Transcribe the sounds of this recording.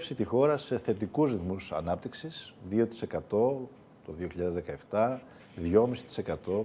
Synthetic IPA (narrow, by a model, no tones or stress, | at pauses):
fsit̪ixo̞ɾɐse̞θe̞t̪ikuzɾiθmusɐ̰nɐp̚t̪iksisðio̞t̪i̥se̞kɐt̪o̞ | t̪o̞ðio̞çiʎɐðezðe̞kɐe̞ft̪ɐ | ðʝo̞misi̥t̪i̥se̞kɐt̪o̞